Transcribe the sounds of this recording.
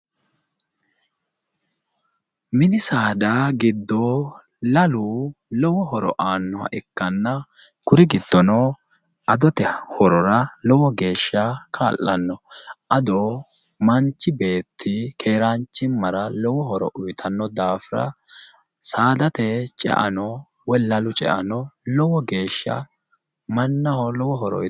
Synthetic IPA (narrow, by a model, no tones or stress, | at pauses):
mɪnɪsaːd̪aːɡɪd̪ːoː | lɐluːlɔwɔɦɔɾɔ̰ʔaːnːɔhɐ̰ʔɛkːɐnːɐ | kʊɾɪɡɪd̪ːɔnoː | ɐd̪ɔt̪ɛhɔɾɔɾɐlɔwɔɡe̞ːʃːakʰaːlʔːɐnːɔʔɐd̪ɔ | mɐnt͡ʃːɪbe̞ːt̪ʰːɪkʰe̞ːɾant͡ʃːɪmːɐɾɐlɔwɔɦɔɾɔ̰ʔʊjɪt̪ʰɐnːɔd̪aːfɪɾɐ̰ | saːd̪ɐt̪ɛt͡ʃʼɛ̰ʔɐ̰nɔ | wɛlːɐlʊt͡ʃʼɛ̰ʔɐnɔlɔwɔɡe̞ːʃːɐ̰ | mɐnːɐhɔlɔwɔɦɔɾɔ̰